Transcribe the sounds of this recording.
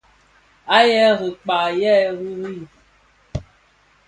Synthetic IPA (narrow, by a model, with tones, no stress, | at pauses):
a˦jɛ˦ɣɨ˨k͡pa˨jɛ˦ɣi˦ɾi˦˨